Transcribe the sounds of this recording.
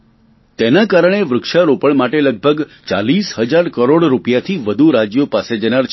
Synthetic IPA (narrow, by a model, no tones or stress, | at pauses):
t̪enakaɾəɳ̃eʋɾʊkʃaɾopəɭmaʈeləɡ̚bʱəɡt͡ʃa̰lisɦəd͡ʒaɾkəɾoɽɾupjat̪ʰiʋəd̪ʱuɾad͡ʒjopased͡ʒənaɾt͡ʃʰ